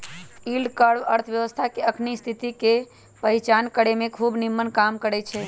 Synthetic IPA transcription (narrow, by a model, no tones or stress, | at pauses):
ilɖkəɽʋəɾt̪ʰʋjəʋəst̪ʰakeəkʰnist̪ʰit̪ike | pəit͡ʃankəɽemẽkʰubnimːənkamkəɾɛt͡ʃʰɛ